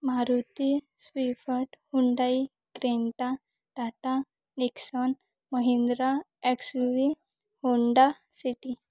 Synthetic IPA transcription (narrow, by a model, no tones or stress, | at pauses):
maɾut̪i | sʋifəʈhuɳɖai | kɾeɳʈa | ʈaʈa | niksɔn | məɦind̪ɾa | ɛksuʋi | huɳɖa | siʈi